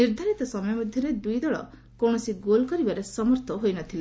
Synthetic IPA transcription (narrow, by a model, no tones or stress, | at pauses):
iɾd̪ʱaɾit̪ɔsɔmɔjɔmɔd̪ʱjɔɾed̪ujd̪ɔɭɔ̰ | kow̃ɔsiɡolkɔɾibaɾesɔmɔɾt̪ʰɔɦojnɔt̪ʰile